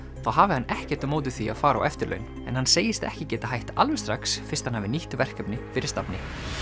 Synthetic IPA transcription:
θawɦaːvɪhanːɛhcɛɾ̥t̪ʏmoːwt̪ɪ̥θia̰faːɾa̰wʔɛft̪ɪɾlœ̰ɥn | ɛ̰nhanseːjɪst̪ɛhcɪcɛːt̪aɦajht̪alvʏ̥st̪ɾaksfɪɾ̥st̪hanhaːvɪniht̪ʏvɛr̥kœpnɪfɪɾɪ̥st̪apnɪ

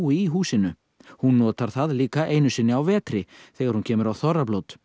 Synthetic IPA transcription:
ɪiɦuːsɪnʏ | hunːɔːt̪aɾ̥θaðliːkaʔeːjnʏsɪnːɪawvɛːt̪ɾɪθɛːɣaɾ̥huncʰɛːmʏɾawθɔrːaplowt̪

